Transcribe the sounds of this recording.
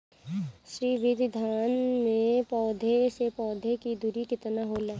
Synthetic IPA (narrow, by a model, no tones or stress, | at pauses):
ʃɾiːʋɪd̪ʱd̪ʱaːnmẽpɔːd̪ʱesepɔːd̪ʱekid̪ʱuɾikɪt̪naɦoːla